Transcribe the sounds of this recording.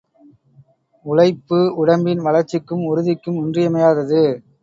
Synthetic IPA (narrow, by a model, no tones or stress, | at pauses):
ʊɭɐɪpːɯʊɽɐmbɪnʋɐlɐɾt͡ʃːɪkːɯmʊɾɯðɪkːɯmʊndrɪjɐmɐjaːðɐðɯ